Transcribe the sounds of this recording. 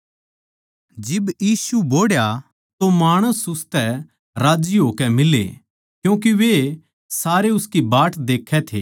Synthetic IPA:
d͡ʒɪbjiːsuboːɽja | t̪omaːɽ̃əsʊst̪ɛ | ɾaːd͡ʒiɦoːkɛmɪlḛ | kjũːk̬iʋe | saːɾeʊskibaːʈʰd̪eːkʰɛt̪ʰeː

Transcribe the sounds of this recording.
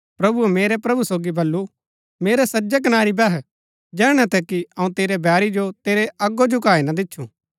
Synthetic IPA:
pɾɐbuɛmeːɾɛpɾɐbusoːɡibɐlːu | meːɾɛsɐd͡ʒɛk̬ɐnaːɾibɛɦ | d͡ʒɛːɽ̃ɛt̪ɛkiɐũt̪eːɾebɛːɾid͡ʒot̪eːɾeʔɐɡod͡ʒʊkaːinad̪ɪtːʃʰũː

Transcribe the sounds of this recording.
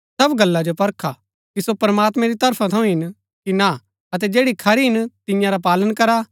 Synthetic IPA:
sɐbɡɐlːad͡ʒopɐɾkʰa | kisopɐɾəmaːt̪mɛ̃ɾit̪ɐɾpʰãt̪ʰɐ̃ũɦɪn | kina | ɐt̪ɛd͡ʒeːɽikʰɐɾiɦɪnt̪ɪ̃jãɾap̬aːlənkɐɾa

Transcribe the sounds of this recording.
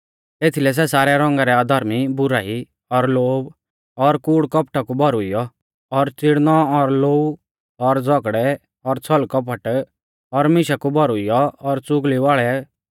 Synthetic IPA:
eːt̪ʰilɛs̬ɛsaːɾɛɾɔ̃ŋɡaɾɛaːd̪ʱɐɾmibʊɾaːi | ɔɾloːb | ɔɾkuːɽkɔpʈakubʱɔɾʊijɔ | ɔɾt͡sɪɽnɔɔɾloːu | ɔɾd͡zɔkɽɛ | ɔɾt͡sʰɔlkɔpʰəʈ | ɔɾmɪʃakubʱɔɾʊijɔɔɾt͡sʊɡliʋaːɭɛ

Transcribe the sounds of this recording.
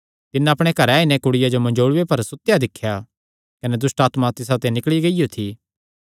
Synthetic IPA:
t̪ɪnãɐpɽ̃ekɐɾaːinɛ̃kʊɽɪjad͡ʒomɐ̃nd͡ʒoːɽʋepɐɾsʊt̪ːjad̪ɪkʰːja | kɐnɛd̪ʊsʈaːt̪mat̪ɪsat̪enɪkɭiɡɐijot̪ʰiː

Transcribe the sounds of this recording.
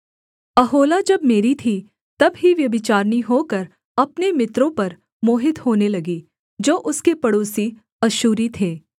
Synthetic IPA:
ɐɦoːlad͡ʒɐbmeːɾit̪ʰi | t̪ɐbɦiʋjɐbɪt͡ʃaːɾniɦoːkɐɾ | ɐpnemɪt̪ɾõpɐɾ | moːɦɪt̪hoːnelɐɡi | d͡ʒoːʔʊskepɐɽoːsi | ɐʃuːɾit̪ʰeː

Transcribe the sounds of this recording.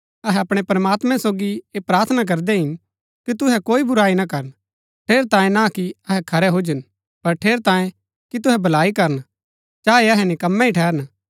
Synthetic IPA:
ɐɦɛɐpɽ̃epɾɐmaːt̪mɛ̃soːɡieːpɾaːɾt̪ʰənak̬ɐɾd̪ɛɦɪn | kit̪ʊɦɛkoːibʊɾaːinɐkɐɾən | ʈʰeːɾt̪ãːẽnakiɐɦɛkʰɐɾɛɦʊd͡ʒən | pɐɾʈʰeːɾt̪ãːjẽ | kit̪̬ʊɦɛbɐlaːikɐɾən | t͡ʃaːeɐɦɛnɪkɐmːɛ̃iʈʰɛːɾən

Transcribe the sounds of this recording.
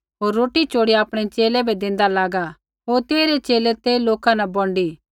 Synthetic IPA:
ɦoːɾːoːʈit͡ʃoːɽiaːpɽ̃et͡ʃeːlɛbʱɛd̪ẽːnd̪alaːɡa | ɦoːɾt̪eːɾet͡ʃeːlet̪eːloːkãnɐbɔ̃ɳɖiː

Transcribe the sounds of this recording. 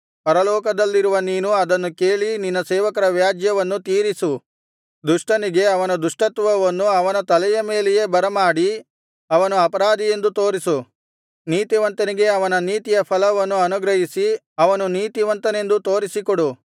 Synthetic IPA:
pɐɾɐlɔːkɐd̪ɐlːiɾuʋɐniːnuɐd̪ɐnːukeːɭininːɐsɛːʋɐkɐɾɐʋjaːd͡ʒjɐʋɐnːut̪iːɾisu | d̪uʂʈɐniɡe̞ɐʋɐnɐd̪uʂʈɐt̪ʋɐʋɐnːuɐʋɐnɐt̪ɐlɐjɐme̞ːleje̞ːbɐɾɐmaːɽi | ɐʋɐnuɐpɐɾaːd̪ije̞nd̪ut̪o̞ːɾisu | niːt̪iʋɐnt̪ɐniɡe̞ɐʋɐnɐniːt̪ijɐpʰɐlɐʋɐnːuɐnuɡɾɐɦisi | ɐʋɐnuniːt̪iʋɐnt̪ɐne̞nd̪ut̪o̞ːɾisikɔɽu

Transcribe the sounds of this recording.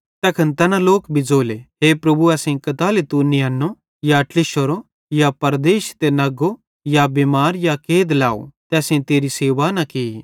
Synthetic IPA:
t̪ɐkʰɐnt̪ɐnãloːkbʱid͡zoːleɦeːpɾɐbuɐːsẽkɐt̪aːlet̪unɪjɐnːo | jaʈlɪʃəɾo | japɐɾd̪eːʃt̪enɐɡo | jabemaːɾjakeːd̪la̰ːo̰t̪ɛːsẽt̪eːɾiseːʋanɐki

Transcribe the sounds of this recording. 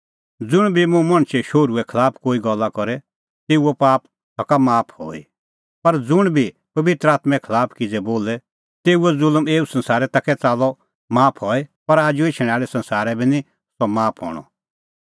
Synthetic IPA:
d͡zʊɽ̃bʱimũmɐɽ̃ʃɛʃoːɾuɛkʰɐlaːpʰkoːiɡɔlːakɔɾɛ | t̪eːuɔpaːp̚ | sɔkamaːpʰho̰ːḭ | pɐɾd͡zʊɽ̃bʱi | pɐʋɪt̪ɾəaːt̪mɛ̃kʰɐlaːpʰkid͡zɛboːlɛ | t̪eːuɛzʊlmeːusɐ̃nsaːɾɛt̪ɐkʰɛt͡saːlɔ | maːpʰɦɔːɛpɐɾaːd͡ʒuet͡ʃʰɽ̃aːɭɛsɐ̃nsaːɾɛbʱinĩ | sɔmaːpʰɦɔ̰ːɽ̃ɔ̰

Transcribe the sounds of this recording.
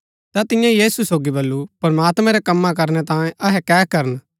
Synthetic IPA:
t̪at̪ɪ̃jãjiːsusoːɡibɐlːupɐɾɐmaːt̪mɛ̃ɾɛkɐmːãk̬ɐɾnɛt̪ãːẽʔɐɦɛkɛːkɐɾən

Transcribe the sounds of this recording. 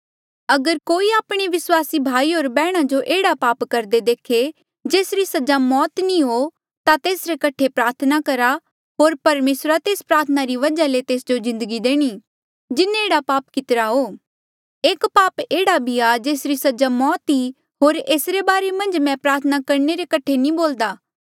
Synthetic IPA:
ɐɡəɾkoːiaːpɽ̃eʋɪswaːsibʱaːiɦoːɾbɛːɽ̃ad͡ʒoʔeːɽapaːpkɐɾd̪ed̪eːkʰe | d͡ʒeːsɾisɐd͡ʒamɔːt̪nĩɦo | t̪at̪eːsɾekɐʈʰepɾaːɾt̪ʰənakɐɾa | ɦoːɾpɐɾmeːsɾat̪eːspɾaːɾt̪ʰənaɾiʋɐd͡ʒalet̪eːsd͡ʒozɪ̃nd̪əɡid̪eːɽ̃i | d͡ʒɪnẽeːɽapaːpkɪt̪ɾaɦoː | eːkpaːpeːɽabʱiad͡ʒeːsɾisɐd͡ʒamɔːt̪i | ɦoːɾeːsɾebaːɾemɐ̃nd͡ʒmɛ̃pɾaːɾt̪ʰənakɐɾneɾekɐʈʰenĩboːld̪aː

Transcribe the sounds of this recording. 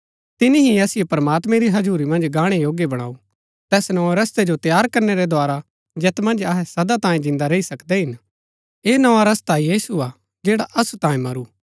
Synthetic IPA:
t̪ɪniɦiɐsɪjepɐɾmaːt̪mɛ̃ɾiɦɐd͡ʒuːɾimɐ̃nd͡ʒɡaːɽ̃ejoːɡjebɐɽ̃a̰ːu | t̪ɛːsnɐʋaɾɐst̪ed͡ʒot̪jaːɾkɐɾneɾɛd̪ʱaːɾa | d͡ʒɛːt̪mɐ̃nd͡ʒɐɦɛsɐd̪at̪ãːẽd͡ʒɪ̃nd̪aɾeisɐkd̪ɛɦɪn | eːnɐʋaɾɐst̪ajiːsua | d͡ʒeːɽaʔɐsut̪ãːĩmɐɾuː

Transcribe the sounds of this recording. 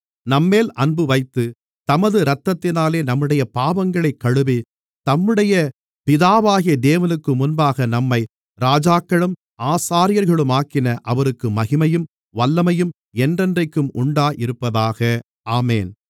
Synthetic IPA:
nɐmːeːlʔɐnbɯʋɐɪt̪ːɯ | t̪ɐmɐðɯɾɐt̪ːɐt̪ːɪnaːleːnɐmːɯɽɐjɐpaːʋɐŋɡɐɭɐɪkːɐɻɯbi | t̪ɐmːɯɽɐjɐ | pɪðaːʋaːɣɪjɐd̪eːʋɐnɯkːɯmʊnbaːɣɐnɐmːɐɪ | ɾaːd͡ʒaːkːɐɭɯm | aːsaːɾɪjɐɾɣɐɭɯmaːkːɪnɐʔɐʋɐɾɯkːɯmɐɣɪmɐjɯm | ʋɐlːɐmɐjɯm | ɛndrɛndrɐɪkːɯmʊɳɖaːjʔɪɾɯpːɐðaːɣɐ | aːmeːn

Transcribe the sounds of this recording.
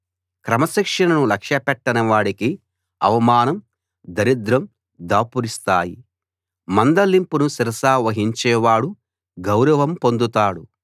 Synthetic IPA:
kɾɐmɐʃikʂɐnɐnulɐkʂɐpɛʈːɐnɐʋaːɽiki | ɐ̰ʋɐmaːnɐm | d̪ɐɾid̪ɾɐm | d̪aːpuɾist̪aːjḭ | mɐnd̪ɐlːimpunusiɾɐsaːʋɐɦiɲt͡ʃɛːʋaːɽu | ɡɐwɾɐʋɐmpo̞nd̪ut̪aːɽu

